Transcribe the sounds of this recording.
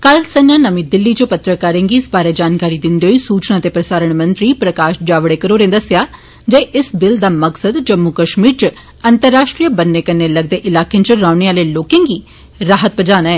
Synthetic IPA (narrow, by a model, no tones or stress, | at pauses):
kəlsənãːnəmĩːd̪ɪlːiːt͡ʃəpət̪ɾəkəɾẽːŋɡiːɪsbaːɾeːd͡ʒaːnkaːɾiːd̪ɪnd̪eːɦoiːsuːt͡ʃnãːt̪eːpɾəsaːɾəɳmənt̪ɾiːpɾəkaːʃd͡ʒaːʋɽeːkəɾoːɾẽːd̪əsɪjaː | d͡ʒeːʔɪsbɪld̪aːməksəd̪d͡ʒəmːukəʃmiːɾt͡ʃə | ənt̪əɾːaːʃʈɾijəbənːeːkənːeːləɡ̚d̪eːʔɪlaːkẽːnt͡ʃəɾaːʊɳeaːleːloːkẽːŋɡiː | ɾaːɦət̪bəd͡ʒaːnaːɛː